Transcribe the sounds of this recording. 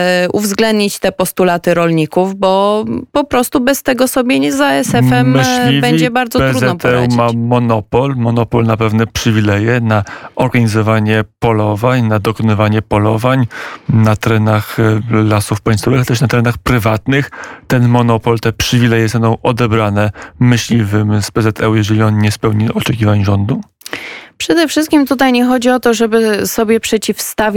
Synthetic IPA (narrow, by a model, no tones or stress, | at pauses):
uvzɡlɛnd̪ɲit͡ɕt̪ɛpɔst̪ulat̪ɘɾɔlɲikuvbɔpɔpɾɔst̪ubɛst̪ɛɡɔsɔbʲjɛɲɛzaɛsɛfɛmmlʲivbʲɛɲd͡ʑɛbaɾd̪zɔtɛzɾud̪ɛɔpt̪ɛwmamɔnɔpɔlmɔnɔpɔlnapɛvnɛpʂɘvʲilɛjɛnaɔɾɡaɲizɔvaɲɛpɔlɔvaɲnad̪ɔkɔnɪvaɲɛpɔlɔvaɲnat̪ɛɾɛnaxlasufpaj̃st̪ɔvɘxat̪ɛʂnat̪ɛɾɛnaxpɾɘvat̪nɘxt̪ɛnmɔnɔpɔlt̪ɛpʂɘvʲilɛjɛsɛnɔ̃w̃ʔɔd̪ɛbɾanɛmɘɕlʲivɘmspɛzɛt̪ʰɛjɛʐɛlʲiɔnɲɛspɛwɲiʔɔt͡ʂɛkʲivaɲʐɔnd̪u | pʂɛd̪ɛfʂɘst̪̚kʲimt̪ut̪ajɲɛxɔd͡ʑiɔt̪ɔʐɛbɘsɔbʲjɛpʂɛt͡ɕifst̪avʲ